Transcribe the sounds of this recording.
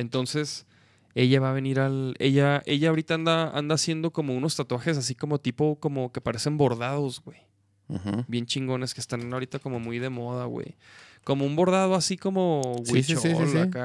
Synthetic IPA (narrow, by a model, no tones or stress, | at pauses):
e̞nt̪o̞nse̞s | e̞ʝaβaːβe̞niɾale̞ʝaʔe̞ʝaːaoɾit̪aand̪aa̰nd̪aːsje̞nd̪o̞ko̞mo̞uno̞st̪at̪waxe̞s̬asiko̞mo̞t̪ipo̞ko̞mo̞ke̞paɾe̞se̞mbo̞ɾðað̞o̞zɣwe̞j̩ | hbje̞nt͡ʃiŋɡo̞ne̞ske̥st̪anaoɾit̪ako̞mo̞mujðe̞mo̞ð̞aɣwḛjko̞mo̞umbo̞ɾð̞aðo̞asiko̞mo̞wesosisliaka